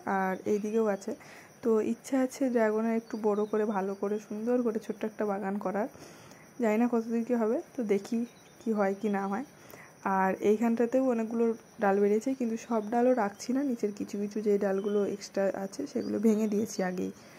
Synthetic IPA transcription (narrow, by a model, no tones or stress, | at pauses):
aɾejd̪ikeowat͡ɕʰe | t̪oḭtːʃʰaat͡ɕʰed͡ʑɛɡoneɾek̚ʈubɔɽokoɾebʱalokoɾeʃund̪oɾkoɾet͡ɕʰoʈːoɛk̚ʈabaɡankɔɾaɾ | d͡ʑajnakɔt̪ʰod̪inkeɦɔβet̪od̪ekʰi | kiɦɔekinaɦɔe | aɾejɡʱanʈat̪ewɔnek̚ɡulo | ɖalbeɽiet͡ɕʰajkint̪uʃɔbɖaloɾakt͡ɕʰinanit͡ɕeɾkit͡ɕʰukit͡ɕʰud͡ʑeɖalɡuloeksʈɾaʔa̰t͡ɕʰeʃeɡṵlo̰bʱeŋed̪ijet͡ɕʰiaɡḛj